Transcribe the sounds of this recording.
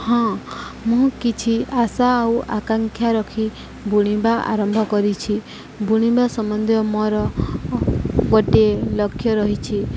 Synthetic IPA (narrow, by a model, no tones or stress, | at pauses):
hɔ̃ | mũkit͡ʃʰiasaːuʔakaŋkʰjaɾɔkʰi | buɽ̃ibaʔa̰ɾɔmbʱɔkɔɾit͡ʃʰi | buɽ̃ibasɔmɔnd̪ʱjɔmɔɾɔ | ɡoʈelɔkʰːjɔɾɔɦit͡ʃʰi